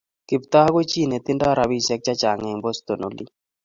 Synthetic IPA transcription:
kɪ˨pt̪a˦ha˦ɡo˦t͡ʃi˦˨ne˨t̪ɪ˦nda˦˨ɾa˨bi˦sɛ˦k̚t͡ʃa˦t͡ʃa˨ŋɛ˨mbo˦st̪o˨no˨˦lḭ˦

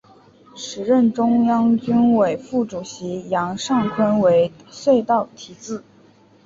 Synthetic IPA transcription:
ʂɻ̩˧˥ɻə˥˩nʈ͡ʂʊ˥ŋjɑ˥ŋt͡ɕy˥nwe˨˩ɪfu˥˩ʈ͡ʂu˨˩ɕi˧˥jɑ˧˥ŋʂɑ˥˩ŋkʰwə˥nwe˧˥ɪswe˥˧ɪt̪ɑ˥˩ʊt̪ʰi˧˥t͡sɹ̩˥˩

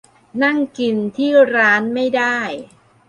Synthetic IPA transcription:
na˥˩ŋki˧nt̪ʰiː˥˩ɾaː˦˥nma˥˩jdaː˥˩j

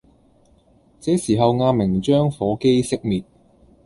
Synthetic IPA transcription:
t͡sɛː˨˥siː˨˩ɦɐ˨˧wŋaː˧mɪ˨˩ŋt͡ʃœː˥ŋfɔː˨˥ke˥jsɪ˥k̚miː˨t̚

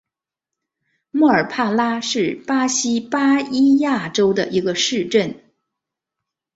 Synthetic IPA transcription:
mɔ˥˩ə˞˨˩pʰa˥˩la˥ʂɻ̩˥˩pa˥ɕi˥pa˥i˥ja˥˩ʈ͡ʂo˥ʊd̪ə̰˨ʔi˧˥ɡə˧ʂɻ̩˥˧ʈ͡ʂə˥˩n

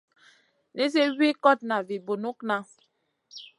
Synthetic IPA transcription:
ne˦s̬e˦wi˦kɔ˦˨t̚na˨vi˨bo˨nu˦kna˨

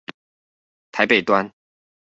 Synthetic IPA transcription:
t̪ʰa˧˦ɪpe˨˩ɪt̪wa˦n

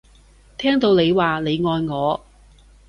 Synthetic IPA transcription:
t̪ʰɛː˥ŋt̪o˧wne˨˧jwaː˨le˨˧jŋɔː˧jŋɔː˨˧

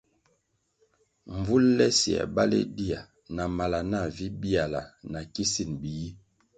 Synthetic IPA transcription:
ɱ˨vu˦llɛ˦si˨a̰˨ba˦lḛ˦di˦a˨ | na˨ma˨la˨na˦˨vi˦bi˦a˨la̰˨na˨ki˦si˦˨nbi˨ji˦

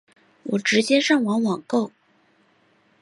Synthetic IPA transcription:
wɔ˨˩ʈ͡ʂɻ̩˧˥t͡ɕjɛ˥ʂɑ˥˩ŋwɑ˧˥ŋwɑ˨˩ŋko˥˩ʊ

